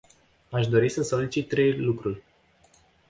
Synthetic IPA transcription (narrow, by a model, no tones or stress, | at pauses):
aʃd̪o̞ɾisəso̞lit͡ʃit̪ːɾe̞jlukɾurʲ